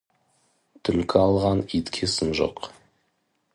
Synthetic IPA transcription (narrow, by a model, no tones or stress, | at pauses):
t̪ʰʏlkʲʰɪɑlˠʁɑnit̪kʲʰesɪnʒo̰q